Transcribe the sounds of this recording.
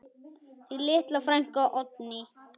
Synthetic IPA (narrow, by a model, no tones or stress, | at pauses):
θilɪht̪lafɾajŋ̥kɔʔɔt̪̚nɪ